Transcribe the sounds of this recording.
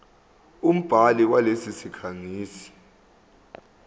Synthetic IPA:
um̩b̥ʱaliwalesisikʰaŋiːsi̥

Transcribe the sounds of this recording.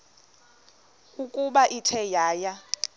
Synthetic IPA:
ukʼuɓaʔitʰɛjaːja

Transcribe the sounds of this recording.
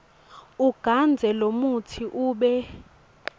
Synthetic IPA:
uɡ̥ʱand͡zʱɛlomutʰiʔuːɓɛ

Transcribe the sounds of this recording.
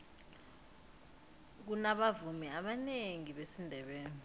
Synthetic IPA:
k̬unaɓavumiaɓaneŋiɓesindʱɛɓeːni

